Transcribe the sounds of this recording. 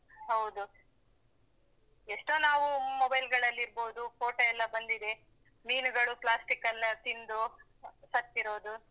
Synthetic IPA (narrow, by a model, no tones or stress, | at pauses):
ɦɐwd̪u | eʂʈoːnaːʋumobɐjlɡɐɭɐlːiɾbo̞ːd̪ukoːʈɐɛlːɐbɐnd̪id̪e | miːnuɡɐɭupɭaːsʈikːɐnːɐt̪ind̪u | sɐt̪ːiɾo̞ːd̪u